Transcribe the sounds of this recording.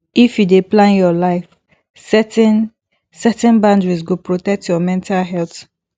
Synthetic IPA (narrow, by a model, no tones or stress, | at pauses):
ifjudeplãnjɔlaɪf | sɛtɛ̃n | sɛtɛ̃nbãndɹis̬ɡopɹotɛk̚tjɔmɛ̃ntʰalɦɛlt